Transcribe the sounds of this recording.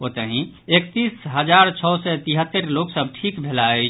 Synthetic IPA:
ot̪əɦĩ | ekt̪isɦəd͡ʒaɾt͡ʃʰɔʊsɛt̪iɦət̪ːəɾloksəb̚ʈʰikbʱelaɛ

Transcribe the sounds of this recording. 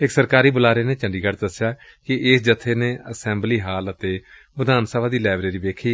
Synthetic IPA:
ɪksəɾkaːɾiːbʊlaːɾeːneːt͡ʃə̃ɳɖiːɡəɾd̪əsjaː | kɪɪsd͡ʒət̪ʰːeːneːəsɛ̃ːmbliːɦaːlət̪eː | ʋəd̪aːnsəbʱaːd̪iːlɛːbɾeːɾiːʋeːkʰiː

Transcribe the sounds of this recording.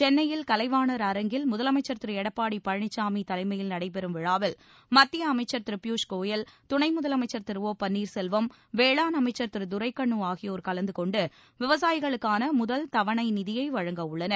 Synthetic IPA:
t͡ʃɛnːɐjɪlkɐlɐɪʋaːnɐɾɐɾɐŋɡɪlmʊðɐlɐmɐɪt͡ʃːɐɾt̪ɪɾɯɛɽɐpːaːɽipɐɻɳɪt͡ʃːaːmit̪ɐlɐɪmɐjɪlnɐɽɐɪpɛɾɯmʋɪɻaːʋɪl | mɐt̪ːɪjɐːmɐɪt͡ʃːɐɾt̪ɪɾɯpjuːʂkoːjɐlt̪ʊɳɐɪmʊðɐlɐmɐɪt͡ʃːɐɾt̪ɪɾʋoːpɐnːiːɾsɛlʋɐm | ʋeːɭaːnɐmɐɪt͡ʃːɐɾt̪ɪɾɯd̪ʊɾɐɪkːɐɳːuaːɣɪjoːɾkɐlɐnd̪ɯkɔɳɖɯ | ʋɪʋɐs̬aːjɪɣɐɭɯkːaːnɐmʊðɐlt̪ɐʋɐɳɐɪnɪðɪjɐɪʋɐɻɐŋɡɐʊɭːɐnɐɾ

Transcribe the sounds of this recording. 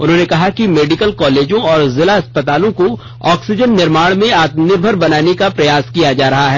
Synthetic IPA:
ʊ̰nɦõːnekɐɦakimeːɖɪkəlkɔːleːd͡ʒõɔːɾzɪlaɐspət̪aːlõko | ɔːksɪd͡ʒənːɪɾmaːɽ̃mẽaːt̪nɪɾbʱəɾbɐnaːnekapɾɐjaːskijad͡ʒaːɾɐɦaɦɛː

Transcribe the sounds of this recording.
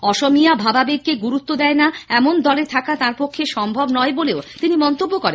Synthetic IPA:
ɔʃomijabʱababeɡkeɡuɾut̪ːod̪ɛenaɛmond̪ɔleɾt̪ʰakat̪ãɾpokʰːeʃɔmbʱobnɔeboleot̪inimɔnt̪obːokɔɾen

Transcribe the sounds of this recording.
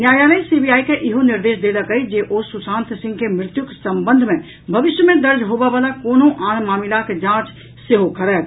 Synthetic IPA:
njaːjaːləisiːbijaːikeʔɪɦonɪɾd̪eːʃd̪eːd̪akəid͡ʒeːʔoːsːʊsãːnt̪sɪ̃ŋɡkemɾɪt̪jʊksɐ̃mbə̃nd̪ʱmẽ | bʱɐʋɪʃjəmẽd̪ɐɾd͡ʒɦoːʋaʋaːlakoːnõʔaːnmaːmɪlaked͡ʒãːt͡ʃ | seɦokɐɾɛː

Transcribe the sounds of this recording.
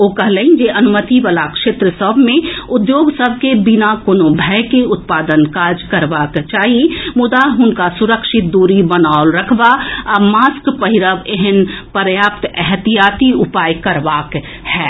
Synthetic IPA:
oːkɐɦlend͡ʒeʔɐnʊmət̪iʋəlakʃeːt̪ɾəsəbʱmẽʊd̪joːɡsəb̚ʱkebɪnakoːnobʱɛkeʊt̪̚paːd̪ənkaːd͡ʒkɐɾʋaːkt͡ʃaːɦimʊd̪aɦʊnkasʊɾəkʃɪt̪̚d̪uːɾibənaːʊlɾəkʰʋaəmaːskpəɦiɾəʋeɦənpəɾjaːpt̪ɛɦt̪ijaːt̪iʊpaːjkɐɾʋaːk | hɛː

